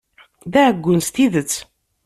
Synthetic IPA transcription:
ðæəɡʷːʊnst̪iðət͡sː

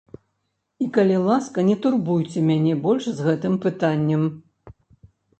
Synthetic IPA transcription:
ikɐlʲilˠaskɐnʲɛt̪urbujt͡sʲɛmʲanʲɛbɔlʲʂzɣɛt̪ɨmpɨt̪anʲːɛm

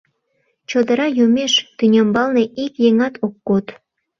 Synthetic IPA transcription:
t͡ɕod̪ə̆ɾɑjumeʃt̪ynʲembɑlneikjeŋɑt̪ʰokːot̪

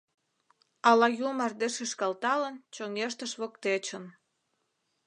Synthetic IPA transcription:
ɑlɑjumɑrd̪eʃeʃkɑlt̪ɑlənt͡ɕoŋeʃ̬t̪əʃβokt̪et͡ɕən

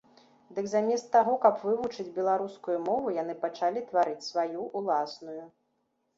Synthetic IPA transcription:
d̪ɨkzamʲɛst̪ːaɣɔkɐpvɨvut͡ʂɨd͡zʲbʲɛlˠaɾuskujumɔvujan̪ɨpat͡ʂalʲit̪vaɾɨt͡sʲsvajuʔulˠasnuju

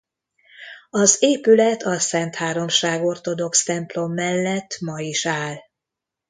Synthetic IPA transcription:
ɒzeːpylɛt̪ɒsɛnt̪haːɾo̞mʃaːɡo̞rt̪o̞d̪o̞kst̪ɛmplo̞mːɛlːɛt̪ːmɒiʃaːl

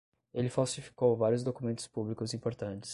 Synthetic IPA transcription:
elɪfawsifi̥kowvaɾjʊzd̪okumẽnt̪ʊ̥spublikʊzĩpoɾt̪ɐ̃nt͡ʃɪ̥s

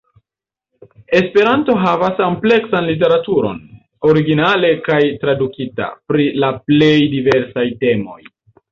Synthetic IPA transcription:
e̞spe̞ɾanto̞ɦavasample̞ksanlit̬e̞ɾatuɾo̞̰n | o̞ɾiɡinale̞kajtɾadukita̰pɾilaple̞jdive̞ɾsajte̞mo̞j

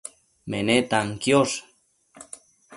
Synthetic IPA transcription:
menet̪aŋkjos

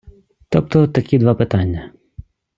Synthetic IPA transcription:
t̪ɔp̚t̪ɔt̪ɐkʲid̪ʋɑpɪt̪ɑnʲːɐ

